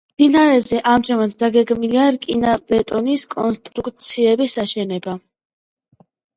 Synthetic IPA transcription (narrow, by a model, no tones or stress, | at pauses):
md̪̥inaɾɛzɛʔamʒamat̪d̪aɡɛɡmiliaɾkʼinabɛt̪ʼɔniskʼɔ̰nst̪ʼɾukʼt̪sʰiɛbisaʃɛnɛba